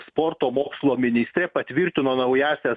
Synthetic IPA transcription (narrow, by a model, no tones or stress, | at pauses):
spoɾt̪oːmoːkslˠoːmʲɪnʲɪsʲt̪ʲɾʲepɐt̪ʲʋʲiɾʲt̪ʲɪnoːnɐʊjæːsʲæ